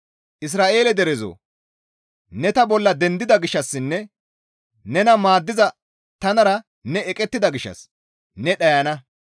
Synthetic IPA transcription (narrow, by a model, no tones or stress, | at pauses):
ʔɪs̬ɾaːʔe̞ːlɛd̪ɛɾɛzo̰ | nɛt̪ɐbɔlːɐd̪ɛnd̪ɪd̪ɐɡɪʃːɐsːɪnːɛ | nɛnɐmaːd̪ːɪzɐ | t̪ɐnɐɾɐ | nɛɛkʼɛt̪ːɪd̪ɐɡɪʃːɐ̰s | nɛɗɐjɐnɐ